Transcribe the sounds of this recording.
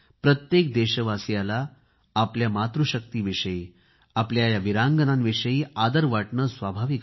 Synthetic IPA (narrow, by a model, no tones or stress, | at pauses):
pɾət̪jek̚d̪eɕəʋasjalaː | pljamat̪ɾuɕək̚t̪iːʋiʂəjiː | apljajaʋiɾaŋɡənanʋiʂəiːad̪əɾʋaʈɳəsʋabʱaʋik